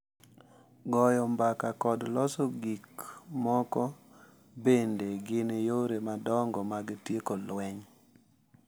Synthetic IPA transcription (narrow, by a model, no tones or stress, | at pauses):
ɡɔjɔmbakakɔdlɔsɔɡikmɔkɔ | bendeɡɪnjoɾemadɔŋɡɔmaɡɪtjekolwɛɲ